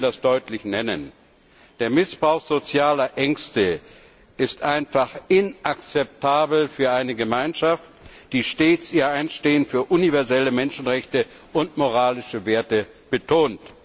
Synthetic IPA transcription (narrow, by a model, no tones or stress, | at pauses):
dasd̥ɔʏtlɪçnɛnə̰n | d̥eːɐmɪsb̥ʁaʊxz̥ot͡sjaːlɐʔɛŋkstə | ʔɪstʔaɪnfaχɪnʔak̚t͡sɛp̚tʰaːbl̩fyːɐʔaɪnəɡəmaɪnʃaftd̥iːʃteːt͡siːɐʔaɪnʃteːənfyːɐʔunivɛɐzɛləmɛnʃn̩ʁɛçtə | ʔʊntmoʁaːlɪʃəveːɐtə | b̥ətʰoːnt